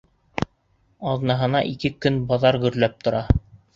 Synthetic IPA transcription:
ɑðnɑɦɤ̆nɑʔikɘkɵnbɑðɑɾɡɵ̆ɾlæp̚t̪ŏɾɑ

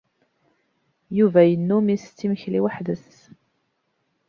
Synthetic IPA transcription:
juvæjənːumist͡sːiməçliwəħðəs

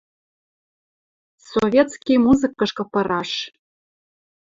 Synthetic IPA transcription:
sovʲet̪skʲijmuzɨ̆kːɤ̆ʃkɤ̆pɤ̆ɾɑʃ

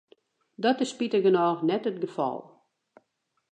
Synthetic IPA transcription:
dɔtəspitəɡənɔːnɛtət̚ɡəfɔ̰lˠ

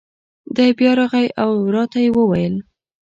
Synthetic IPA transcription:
d̪ɑjbjɑɾɑɣajawɾɑt̪ajewəwajəl

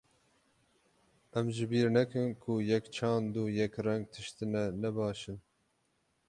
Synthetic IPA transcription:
ʔɛmʒɪbiːɾnɛkɨnkʰujɛkt͡ʃʰɑːnd̪uːjɛkrɛŋɡ̚t̪ʰɨʃt̪ɨnɛnɛbɑːʃɨn

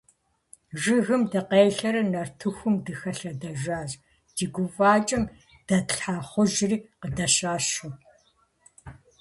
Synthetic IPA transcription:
ʒɪɣɨmdɐqeːjɬɐɾɨnɐrtʰɨxʷʊmdɨxɐɬɐdɐʒaːʑ | d̥iːɡʷʊvaːt͡ʃʼɐm | d̥ɐtɬħaːχʷʊʒriːqədɐʃaːʃu

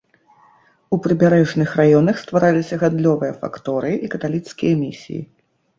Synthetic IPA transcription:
upɾɨbʲaɾɛʐnɨxrajɔnɐxst̪vaɾalʲisʲɐɣad̪lʲɔvɨjɐfa̰kt̪ɔɾɨʔikɐt̪alʲit̪skʲijɐmʲisʲḭjḭ

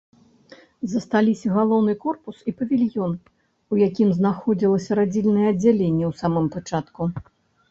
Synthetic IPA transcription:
zɐst̪alʲisʲɐɣalˠɔwnɨkɔrpusipɐvʲilʲjɔn | ujakʲimznaxɔd͡zʲilˠɐsʲɐɾad͡zʲilʲnɐjɛɐd͡zʲːalʲenʲːɛwsamɨmpat͡ʂat̪ku

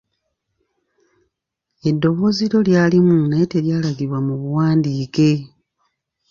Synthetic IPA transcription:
e̞dːo̞βo̞ːziɾo̞ljaːlimune̞te̞ljaːlaɡiβwamuβuwaːndiːke̞

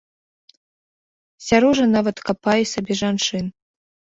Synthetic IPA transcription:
sʲaɾɔʐɐnavɐt̪kapajɛsʲabʲɛʐant͡ʂɨn

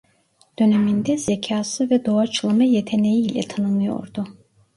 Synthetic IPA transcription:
d̪̥ø̞nemind̪ɛzecʰaːsɯvɛd̪o̞at͡ʃʰɯlˠamajet̪ʰene̞jiːlʲɛ̰t̪ʰanɯnˠɯjo̞̰ɾd̪ʊ

